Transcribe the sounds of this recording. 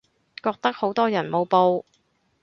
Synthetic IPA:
kɔː˧k̚t̪ɐ˥k̚ho˨˥wt̪ɔː˥jɐ˨˩nmo˨˧wpo˧w

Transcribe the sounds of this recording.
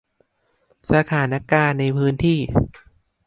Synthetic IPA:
sa˧t̪ʰaː˩˦na˦˥kaː˧nːa˧jpʰɯː˦˥nt̪ʰiː˥˩

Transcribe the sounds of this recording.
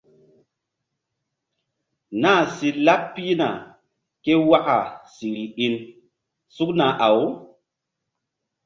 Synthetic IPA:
na˦˨si˨la˦ppːi˦na˨ | ke˦wa˦ʔa˨si˨ɾi˨i˦n | su˦kna˨ʔa˨w

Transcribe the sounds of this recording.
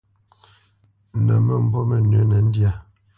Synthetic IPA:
nə˨mə˦˨m̩˨bɔ˦mə˨nə˨˦nɛ˨˦n̩˦dja˦˨

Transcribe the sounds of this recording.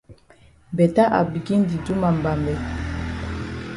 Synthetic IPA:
bɛ˨ta˦ʔa̰˨bi˨ki˦n˦di˨du˦ma˨m˨ba˨mbɛ˨

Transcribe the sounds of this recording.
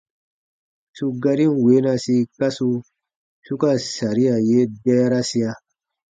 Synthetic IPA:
su˦ɡa˦ɾi˦n˨we˨˦na˧si˦ka˦su˧ | su˦ka˦sa˨ɾi˦ja˨je˦da˦ja˦ɾa˦si˦ja˦

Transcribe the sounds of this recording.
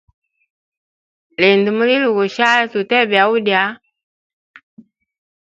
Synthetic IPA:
lɛ˨ndu˨mu˦li˦lu˨ɣu˨ʃa˦tu˨tɛ˦bja˨u˦dja˦

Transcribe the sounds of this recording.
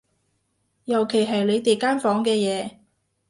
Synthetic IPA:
jɐ˨˩wkʰe˨˩jɦɐ˨jle˨˧jt̪e˨jkaː˥nfɔː˨˥ŋkɛː˧jɛː˨˧

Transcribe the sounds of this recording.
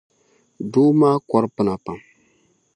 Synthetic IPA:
do˦maː˦kɔ˦ɾpɨ˨na˨pa˨m

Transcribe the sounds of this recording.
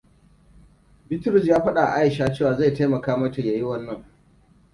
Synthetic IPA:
bɪ˦tʊ˦ɾʊ˨s̬jaː˦ɸɐ˦ɗa˨ʔa̰˨ʔa˦jɪ˨ʃaː˦t͡ʃeː˦waː˨za˦˨jta˦mɐ˨kaː˦mɐ˦ta˨jaː˨jɪ˦wɐ˦nːɐ˦˨ŋ

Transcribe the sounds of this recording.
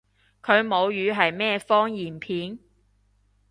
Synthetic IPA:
kʰɵ˨˧ɥmo˨˧wjyː˨˧ɦɐ˨jmɛː˥fɔː˥ŋjiː˨˩npʰiː˨˥n

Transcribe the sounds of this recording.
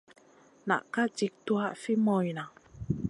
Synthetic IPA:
na̰˨ʔka˦d͡ʒi˨k̚tu˦a˦ʔfi˦mɔ˨jna˨

